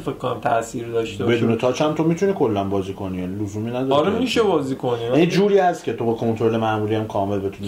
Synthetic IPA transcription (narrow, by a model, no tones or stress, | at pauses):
fekʰːonæmt̪ʰæ̰ʔsiːɾd̪ɒʃt̪ebe̞d̪uːnet̪ʰɒːt͡ʃʰænt̪ʰomit̪ʰuniːkʰo̞lːænbɒːziːkʰo̞niːjænilozuːmiːnæd̪ɒɒɾemmiʃebɒːziːkʰoniænid͡ʒuːɾiːæst̪cʰe̞t̪ʰo̞bɒkʰo̞nt̪ɾo̞le̞mæʔmuːɾiːæmkʰɒːme̞lbe̞t̪ʰuni